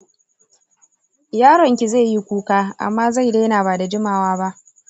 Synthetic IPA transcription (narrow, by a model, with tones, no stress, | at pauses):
jaː˦ɽɔ˨ŋkʲi˨zeː˦˨ji˦kʷuː˦kaː˦ʔa̰˨mːaː˦za˦˨jdeː˦naː˨baː˨da˨d͡ʒɪ˦maː˨waː˦ba˦ʔ